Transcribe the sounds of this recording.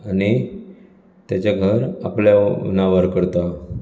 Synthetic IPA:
ani | t̪jat͡ɕaɡʱəɾa̰plja̰naʋaɾkəɾt̪a

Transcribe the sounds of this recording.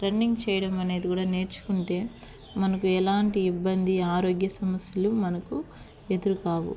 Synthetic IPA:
ɾɐnːiŋɡt͡ʃɛːjɐɽɐmɐne̞ːd̪ikuːɽaːne̞ːɾt͡ʃu̥kuɳʈe̞ː | mɐnɐkuɛlaːɳʈiːbːɐnd̪iaːɾo̞ːɡjɐsɐmɐsjɐlumɐnɐku | e̞d̪uɾukaːʋṵ

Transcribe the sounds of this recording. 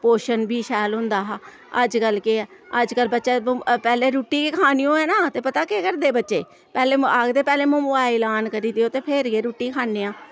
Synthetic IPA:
poːʃənbʱiːʃɛːlɦʊ̃nd̪aːɦ | əd͡ʒkəlkeəd͡ʒkəlbətːʃeːpɛːleːɾuːʈːiːkekʰaːnijõːɛːnaːt̪eːpət̪aːkeːkəɾd̪eːbətːʃeː | pɛːleːaːɡd̪eːpɛːleːmʊ̃ːaːɪlaːnkəɾiːd̪ɪjoːt̪eːpʰɪɾɡeːɾuːʈːiːkʰaːneːãː

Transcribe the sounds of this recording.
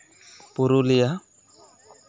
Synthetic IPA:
puɾulija

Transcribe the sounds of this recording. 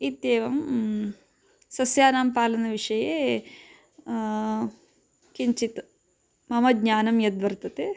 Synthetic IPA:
it̪jeːʋɐm | sɐsjaːnaːmpaːlɐnɐʋiʂɐjeː | kiɲt͡ʃit̪ | mɐmɐdɲaːnɐmjɐd̪ʋɐɾt̪ɐt̪e

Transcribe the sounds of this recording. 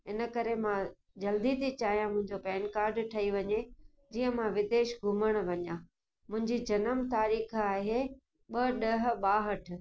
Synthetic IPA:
ɪnə̆kɐɾemã | d͡ʑɐld̪it̪it͡ɕaːɦijãmʊ̃ɦɪ̃ɲd͡ʑopɛːnkaːɾɖʈʰɐiʋɐɲe | d͡ʑiːə̃mãʋɪd̪eːʃɡʱʊməɽ̃ʋɐɲa | mʊ̃ɦɪ̃ɲd͡ʑid͡ʑɐnəmt̪aːɾiːxaːɦe | ɓɐɗɐɦ̆ɓaːɦəʈ̆ʰ

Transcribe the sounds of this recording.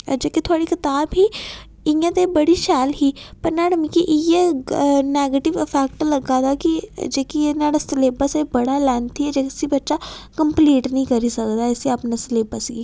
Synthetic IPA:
d͡ʒeːkit̪ʰʊaːɽikɪt̪aːbɦiː | ɪjãːt̪ebəɽiːʃɛːlɦiːpəɾnaːɽəmikiʔɪjenɛːɡeːʈɪʋəpʰɛːkʈləɡaːd̪aːkid͡ʒeːkienaːɽasleːbəsebəɽaːlɛːnt̪ʰiɛd͡ʒeːksibətːʃaːkəmpliːʈnəĩːkəɾiːsəkd̪aːɛsiapnaːsɪleːbəsiɡiː

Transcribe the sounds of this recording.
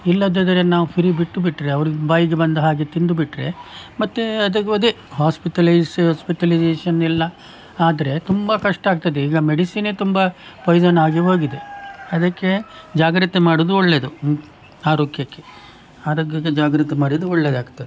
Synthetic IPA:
ilːɐd̪ɐd̪ɐɾenaːʋupʰiɾiːbiʈːubiʈːɾe̞ɐʋɐɾiɡbaːjiɡebɐnd̪ɐɦaːɡet̪ind̪ubiʈːɾe̞mɐt̪ːeɐd̪ɐɐd̪e | ɦaːspiʈɐlɐjsɦaːspiʈɐlid͡ʒeːʂɐnilːɐ | aːd̪ɐɾe̞t̪umbɐkɐʂʈɐaːɡ̚t̪ɐd̪eiːɡɐmeɖisineːt̪umbɐpɐjd͡ʒɐnaːɡiɦo̞ːɡid̪e̞ɐd̪ɐkːe̞d͡ʒaːɡɾɐt̪ːemaːɽud̪uɔɭːeːd̪u | aːɾoːɡjɐkːe | aːɾoːɡjɐkːed͡ʒaːɡɾɐt̪emaːɽid̪uɔɭːed̪aːɡt̪ːɐd̪e

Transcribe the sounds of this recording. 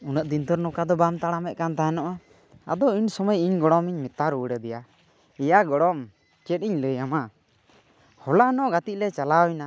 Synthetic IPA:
unəʔd̪int̪ɔɾnɔkad̪ɔbamt̪aɽamɛʔ̪̚kant̪aɦɛnɔʔa | a̰d̪ɔiɲsɔmɔjiɲɡɔɽɔmiɲmit̪aɾuɽɛd̪ɛja | ɛjaɡɔɽɔm | t͡ʃɛt̪iɲləjama | hɔlanɔʔɡat̪ic̪̚lɛt͡ʃalawjna

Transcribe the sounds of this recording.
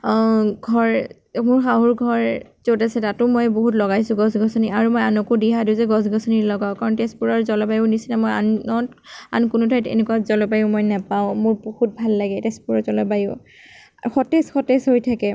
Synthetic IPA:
ɡʱɔɹ | mʊɹxaɦuɹɡʱɔɹzotasɛtatʊmɔjboɦutlɔɡajsʊ̃ɡɔsɡʱɔsɔniaɹumɔjanɔkudiɦadiʊzɛɡɔs̬ɡʱɔsɔnilɔɡaʊkaɹɔntespuɹɔɹzɔlɔpajʊnisinamɔja̰nɔt | a̰nkʊnʊtʰajtḛnɛkuazɔlɔpajʊmɔjnapaʊ̃mʊɹbohut̚bʱalːaɡɛtɛspuɹɔzɔlɔpajʊʊ | xɔtɛsxɔtɛshojtʰakɛ

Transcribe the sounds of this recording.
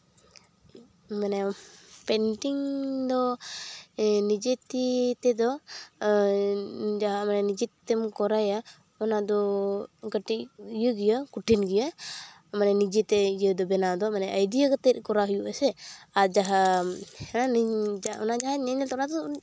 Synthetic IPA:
manɛpɛnʈiŋd̪ɔ | nid͡ʒet̪it̪ɛd̪ɔ | d͡ʒaɦamanɛnid͡ʒɛt̪t̪ɛmkɔɾaja | ɔnad̪ɔɡəʈiʔijəɡijəkuʈʰinɡija | manɛnid͡ʒɛt̪ɛijəd̪ɔbɛnad̪ɔmanɛʔəjd̪ijaɡat̪ɛt̪̚kɔɾaɦujuʔasɛaɾd͡ʒaɦa | naniɔ̰nad͡ʒaɦaɲɛɲɛlt̪ɔnad̪ɔ

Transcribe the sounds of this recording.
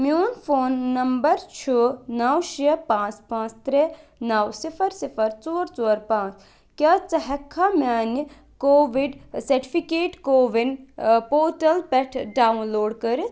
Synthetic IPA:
mioːnpʰoːnːɐmbəɾt͡ʃʰoːnɐwʃiəpãːt͡spãːt͡st̪ɾenɐwsipʰəɾsipʰəɾt͡ʃoːɾt͡ʃoːɾpãːt͡s | kjaːt͡sɐɦɐkʰːamaːni | koːʋiɖsɐɾʈi̥pʰikeːʈkoːʋinpoːʈɐlpɛʈʰɖaːunloːɖkɐɾ

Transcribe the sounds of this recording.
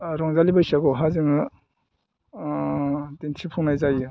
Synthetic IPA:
ɾɔŋzalibajsaɡɔɦaziŋ | dintʰipʰuŋnajzajɯ

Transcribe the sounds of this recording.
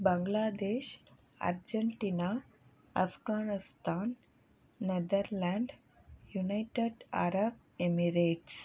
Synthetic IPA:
bə̃ŋɡlad̪eɕ | a̰ɾd͡ʑəɳʈina | afɡanist̪anː | əd̪əɾlaɳɖ | junajʈeɖa̰ɾəb̚ | emiɾeʈs

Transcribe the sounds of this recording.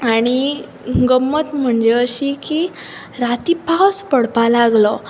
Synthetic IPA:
aɽ̃i | ɡəmːət̪m̤əɳd͡ʑeəɕiki | ɾat̪ipawspəɽ̤palaɡlɔ

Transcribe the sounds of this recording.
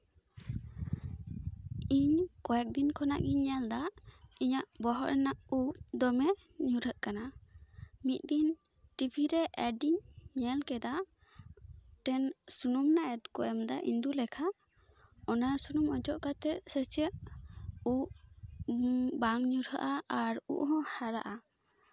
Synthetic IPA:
iɲkɔjɛk̚d̪inkʰɔna̰ʔɡiɲɛld̪aiɲaʔbɔɦɔʔɾɛnaʔud̪ɔmɛ | ɲuɾəʔkana | mit̪̚d̪in | ʈipʰiɾɛʔɛɖiɲɲɛlkɛd̪a | ʈɛnsunumnaɛɖkɔʔɛmd̪aʔḭnd̪ulɛkʰa | ɔnasunumɔd͡ʒɔʔkat̪ɛsɛt͡ʃɛʔ | uʔ | baŋɲuɾɦəʔaaɾṵʔɦɔ̃haɾaʔa

